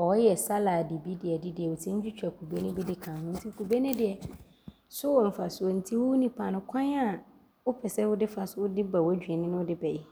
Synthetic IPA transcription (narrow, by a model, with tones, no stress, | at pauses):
ɔ˨˦jɛ˨sa˦la˨dɪ˨bi˦dɪ˨ɛ˨dɪ˦dɪ˨ɛ˨wʊ˨tʰĩ˦ɲ̩˦d͡ʑᶣi˦t͡ɕᶣa˨kʰu˨be˦nʊ̃˦bi˦dɪ˦kʰãː˨hʊ̃˦n̩˦tʰi˦kʰu˨be˦nɪ̃˦dɪ˨ɛ˨ | sʊ˦wɔ˨m̩˨fa˨sʊ˨ɔ˨n̩˨tʰi˦wʊ˦wu˦nĩ˨pʰa˨nʊ̃˨kʷʰã˦n˦a˨ | wʊ˦pʰɛ˨sɛ˦wʊ˦dɪ˦fa˨sʊ˦wʊ˦dɪ˦ba˨wɔ˦d͡ʑᶣɥɛ˨nɪ̃˦nʊ̃˦ʊ˦dɪ˦bɛ˨jɛ˨